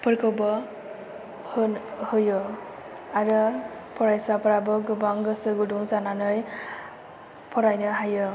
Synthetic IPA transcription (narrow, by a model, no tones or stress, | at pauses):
pʰɯɾkʰɯwbɔ | hɯnhɯjɯ | aɾɯ | pʰɔɾajsapʰɯɾabɯɡɯbaŋɡɯsɯɡuduŋzananɯj | pʰɔɾajnɯɦajɯ